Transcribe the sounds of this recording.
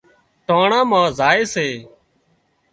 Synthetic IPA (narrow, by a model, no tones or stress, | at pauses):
ʈaːɳãːmãːzaːeːseː